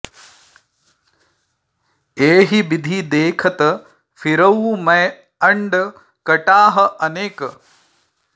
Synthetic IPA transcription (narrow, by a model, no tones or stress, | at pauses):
eːɦibid̪ʱid̪eːkʰɐt̪ɐ | fʰiɾɐwmɐj | ɐɳɖ | kɐʈaːɦɐʔɐneːkɐ